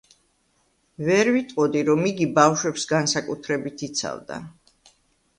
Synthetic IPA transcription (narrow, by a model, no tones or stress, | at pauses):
vɛɾvit̪ʼqʼɔd̪iɾɔmiɡibafʃwɛpsɡansakʼut̪ʰɾɛbit̪ʰit̪sʰa̰vd̪a̰